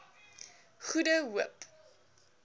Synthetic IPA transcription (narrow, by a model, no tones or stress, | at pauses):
χudəɦuəp